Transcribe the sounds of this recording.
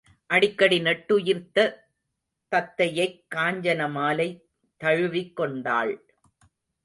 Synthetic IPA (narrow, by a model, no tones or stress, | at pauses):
ʔɐɽɪkːɐɽinɛʈːɯjɪɾt̪ːɐ | t̪ɐt̪ːɐjɐɪkːaːɲd͡ʒɐnɐmaːlɐɪ | t̪ːɐɻɯʋɪkːɔɳɖa̰ːɭ